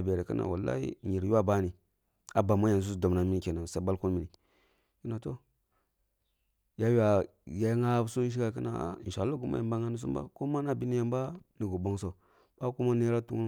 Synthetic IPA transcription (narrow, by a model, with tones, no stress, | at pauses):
be˨ɾe˨kə˦na̰˨wa˨lːa̰˦ḭ˦˨ɲi˨ɾu˦wa˦ba˦ni˨ | a˨ba˨ma˦ja˨n˨s̬u˦sdo˨mna˨mi˦ni˦˨ke˨na˨sa˦ba˦lku˦nmi˨ni˨ | i˦na˨to˦ | ja˦wi˦a˨ | ja˨˦jŋa˦su˦ʃ̬i˦ɡa˨kə˦na̰˨n˨ʃa˨˦lːa˦ɡu˨ma̰˦ja˨ba˦ŋa˦ni˦s̬u˦ba̰˦ko˦ma˦na˦bi˦ni˦ja˨mba˦ni˨ɡu˨bo˦ŋsa˨u˨ | ba˦ku˦ma˦ne˦ɾa˦tu˦